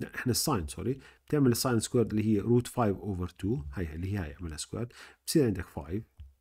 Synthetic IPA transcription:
aʔɪħnasˤːɑjnsɑ̰ːɾib̥t̪ɪʕmɪlɪsˤːɑjnskweːɾˤd̪ɪlːihiːɾuːt̪faːjvʔoːvəɾˤt̪ʰuːhajlːihiːha̰jɪʕmɪlhaskwḛɾd̪b̥siːɾʕɪnd̪akfa̰ːjv

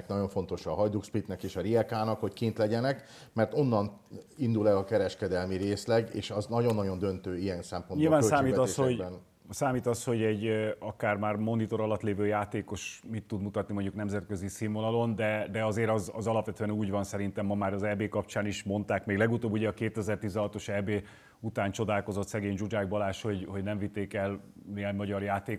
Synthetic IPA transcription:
knɒɟo̞ɱfo̞nt̪o̞ʃɒɦɒjd̪ukspit̪nɛkeːʃɒɾiɛkaːnɒkho̞ckint̪lɛɟɛnɛk | mɛrt̪o̞nːɒnind̪ulɛlɒkɛɾɛʃkɛd̪ɛlmiɾeːslɛɡḛːʃɒznɒɟo̞nːɒɟo̞nd̪ø̞nt̪øːiɛnsɛmponɲbiolːvaːnøssaːeːmiːɛt̪ɒeshoɟbɛn | saːmiːt̪ɒsho̞ɟɛɟɒkaːrmaːrmo̞nit̪o̞ɾɒlɒt̪leːvøːjaːt̪eːko̞ʃmit̪ːud̪mut̪ɒt̪nimo̞ɲɟuknɛmzɛt̪̚køzisiːnvonɒlo̞nd̪ɛd̪ɛɒzeːɾɒzɒ̰zɒlɒpʋɛt̪øɛnuːɟʋɒnsɛɾint̪ɛmːɒmaːɾɒzɛbeːkɒp̚t͡ʃaːniʃmo̞nt̪aːkmeːɡlɛɡut̪oːbːuɟɛɒkeːt̪ɛzɛrt̪iːzɛɦɒt̪o̞ʃɛbeː | ut̪aːnt͡ʃo̞d̪aːlko̞zo̞t̪sɛɡeːɲd͡ʒud͡ʒaːɡ̚bɒlaːʃho̞ɟho̞ɟnɛɱvit̪ːeːkɛl | niɛɲmɒɟɒrjaːt̪eː

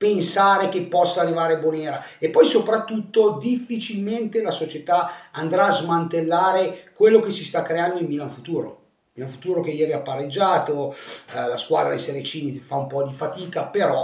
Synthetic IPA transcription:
pensaːɾek̟epːɔsːaːrːivaːɾeboneːɾaepːɔjsopɾat̪ːut̪ːod̪ifːit͡ʃilment̪elasot͡ʃet̪aand̪ɾaːzmant̪elːaːɾekwelːokesist̪akːɾeand̪oimːilaɱfut̪uːɾo̰ | miːlanfut̪uːɾokeɛjɛːɾiapːarːed͡ʒːaːt̪olaskwa̰ːd̪ɾa̰d̪ḛseɾet͡ʃiːnifaumpɔd̪ifat̪iːkapeɾɔ

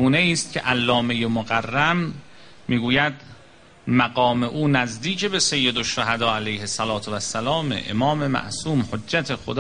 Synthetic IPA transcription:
uːneiːst̪̚cʰḛʔælːɒːme̞jemoɣærːæmː | iːɡuːjæd̪ | mæɡɒːme̞ʔuːnæzd̪iːcʰebe̞se̞jːe̞d̪oʃːoɦæd̪ɒːælæjhesælɒːt̪ʰvæsːælɒːmḛʔḛmɒːme̞mæ̰ʔsuːmhodːæt̪ʰe̞xod̪ː

